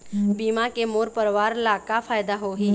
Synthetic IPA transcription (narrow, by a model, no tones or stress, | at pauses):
biːmakemoːɾpəɾʋaːɾlakafʰaːjd̪aɦoɦi